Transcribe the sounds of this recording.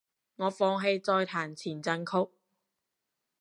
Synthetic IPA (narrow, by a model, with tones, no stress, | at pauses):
ŋɔː˨˧fɔː˧ŋɦe˧jt͡sɔː˧jt̪ʰaː˨˩nt͡sʰiː˨˩nt͡sɐ˧nkʰʊ˥k̚